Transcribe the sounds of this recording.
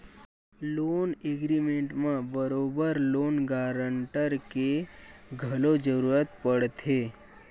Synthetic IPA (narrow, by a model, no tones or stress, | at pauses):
loːneɡɾimẽɳʈmãbəɾoːbəɾloːnɡaːɾəɳʈəɾkeɡʱɐlod͡ʒəɾuːɾət̪pəɽt̪ʰeː